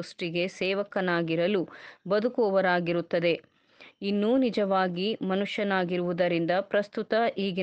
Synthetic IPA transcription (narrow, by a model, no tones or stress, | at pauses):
usʈiɡe̞sɛːʋɐkɐnaːɡiɾɐlubɐd̪ukoːʋɐɾaːɡiɾut̪ːɐd̪e̞ | inːunid͡ʒɐʋaːɡimɐnuʂjɐnaːɡiɾuʋud̪ɐɾind̪ɐpɾɐst̪ut̪ɐiːɡi